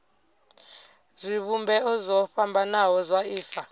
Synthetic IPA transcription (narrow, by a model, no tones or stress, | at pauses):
ziɓumbʱɛɔzɔɸambʱanawɔzwaiːfa